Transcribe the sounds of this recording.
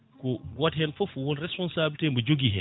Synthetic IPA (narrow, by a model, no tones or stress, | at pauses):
kɔɡɔthɛnfofuwɔnɾɛspɔnsabiltembɔd͡ʒoɡiɦɛ̰